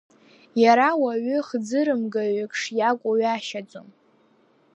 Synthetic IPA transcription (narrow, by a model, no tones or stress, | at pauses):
jaɾawaɥʏχd͡zɨɾɨmɡaɥɪkʰʼʂjakʷʼaɥaʃad͡zʼom